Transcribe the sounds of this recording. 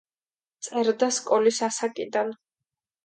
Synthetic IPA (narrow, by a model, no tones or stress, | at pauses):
t̪sʼɛɾd̪askʼɔlisasakʼid̪an